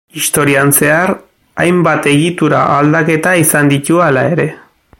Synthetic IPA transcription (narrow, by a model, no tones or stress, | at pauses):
ist̪o̞ɾianse̞aɾ | ajmbat̪e̞ɣit̪uɾa̰ʔald̪ake̞t̪aisand̪it̪ualae̞ɾe̞